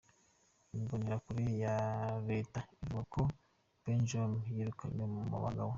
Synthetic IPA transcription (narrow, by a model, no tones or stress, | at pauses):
iboneɾakuɾijaɾetaivuɡako | b̥end͡ʒomjiɾukanemuma̰βa̰ɡaβo